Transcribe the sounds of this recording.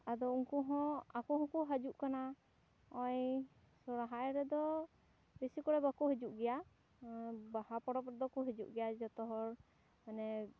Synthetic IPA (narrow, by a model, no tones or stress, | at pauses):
ad̪ɔuŋkɔɦɔ̃akɔɦɔ̃kɔɦad͡ʒuʔkana | ɔj | sɔɾaɦajɾɛd̪ɔ | besikɔɽɛbakɔɦed͡ʒuʔɡɛja | bahapɔɽɔpɾɛd̪ɔkɔɦɛd͡ʒuʔɡɛjad͡ʒɔt̪ɔɦɔɾ | manɛ